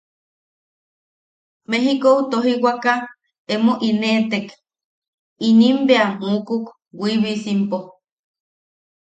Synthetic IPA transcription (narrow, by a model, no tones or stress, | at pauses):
meɦikout̪oɦiwaka | emoʔinet̪ek | inimbeamuːkuk | wiβisimpo